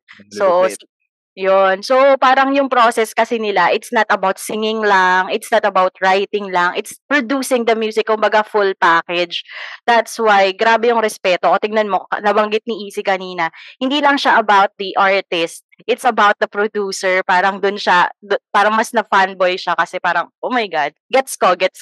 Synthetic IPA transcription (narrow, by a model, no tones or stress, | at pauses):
so | jonsopaːɾɐŋjʊŋpɾoːsɛskɐsɛnɪlaʔɪt̪snɐt̪ɐbawt̪sɪŋɪŋlɐŋɪt̪snɐt̪ɐbawt̪̚ɹajt̪ɪŋlaŋʔɪt̪spɹod̪uːsɪŋd̪ɐmjuːsɪkkʊmbɐɡafʊlpaːkɛd͡ʒd̪̥at̪swajɡɾaːbɛjʊŋɾɛspɛːt̪okɐt̪ɪŋnɐnmo̞̰nɐbɐŋɡɪt̪̚niʔiːsɪkɐniːnɐhɪnd̪iːlɐŋʃaʔɐbawt̪̚d̪iʔaɹt̪ɪst̪̚ | ʔɪt̪sɐbawt̪̚d̪ɐpɾod̪uːsɛɹpaːɾɐŋd̪ʊnʃad̪paːɾɐŋmɐsnɐfanbojʃakɐsɛpaːɾɐŋʔoːmajɡad̪̚ɡɛt̪skoɡɛt̪s